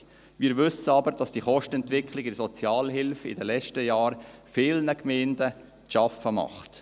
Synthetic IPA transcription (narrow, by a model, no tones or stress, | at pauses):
miːɾʋʏsəɑbəɾd̥ɑsd̥iχɔʃtəɛntʋɪkχlɪɡɪrsɔt͡sjɑːlɦɪlfɪ̰dəlɛt͡ʃtəjɑːɾfɪlnəkmeːndə | ʃɑfəmɑ̰χt